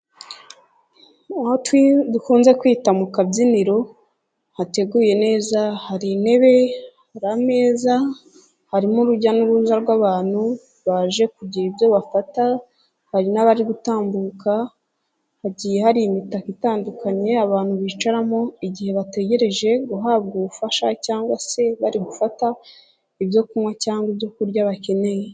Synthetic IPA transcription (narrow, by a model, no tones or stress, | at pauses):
ahotwidukuːnze̞kwiːtamukabziniɾo̞ | hate̞ɡuːje̞ne̞ːzahaɾine̞βe̞haɾame̞ːza | haɾimuɾuɟanuɾuzaɾɡwaːβaːn̥hu | βaʒe̞kuɟiɾibjo̞βafata | haɾinaβaɾiɡutaːmbuːka | haɟije̞haɾimitakitaːndukaɲe̞aβaːn̥huβiːt͡ʃaɾamoiɟihe̞βate̞ɟe̞ɾe̞ʒe̞ɡuɦaːb̚ɡuβufaʃacaːŋɡwase̞βaɾiɡufata | iβjo̞kumwacaːŋɡwibjo̞kuɾɟaβace̞ne̞je